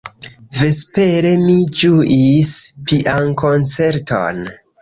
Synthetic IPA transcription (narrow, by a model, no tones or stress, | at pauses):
ve̞spe̞ɾe̞mid͡ʒuʔispiʔankont͡se̞ɾtʰo̰n